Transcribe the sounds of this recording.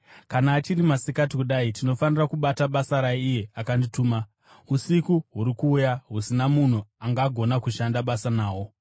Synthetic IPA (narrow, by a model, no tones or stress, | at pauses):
kanaːt͡ʃirimasikat̬ikuɗaitino̞fanirakuɓataɓasaɾaiijeakandituːma | usikuɦuɾikuːjaɦusinamun̤uaŋɡaːɡʱo̞nakuʃandaɓasanaːwo̞